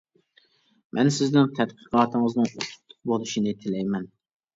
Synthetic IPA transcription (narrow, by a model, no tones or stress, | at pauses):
mʔɛnsɪznɪŋt̪ʰɛt̪̚qʰəqʰɑːt̪ʰɨŋəznɨŋut̪ʰʊ̥t̪ʰːʊ̥q̚bolˠuʃinɨt̪ʰɪlɛjmɛn